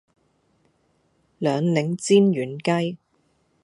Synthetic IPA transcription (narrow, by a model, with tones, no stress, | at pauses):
lœː˨˧ŋlɪ˨˥ŋt͡siː˥njyː˨˩nkɐ˥j